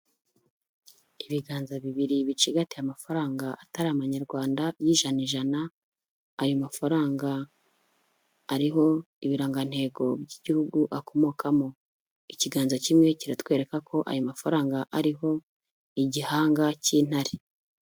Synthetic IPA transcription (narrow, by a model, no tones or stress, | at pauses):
iβiɡaːnzaβiβiɾiβit͡ʃiɡatijamafaɾaːŋɡaʔataɾaaβaɲaɾɡwaːndajiːʒaniʒanaː | jomafaɾaːŋɡa | ɾiɦo̞ | iβiɾaːŋɡan̥he̞ːɡo̞bɟiɟihuɡuʔako̞mo̞ːkʰamo | iciɡaːnzocimŋe̞ciɾatwe̞ːɾe̞kakʰo̞ʔa̰jomafaɾaːŋɡaʔaɾiɦo̞ | iɟihaːŋɡaciːn̥haɾe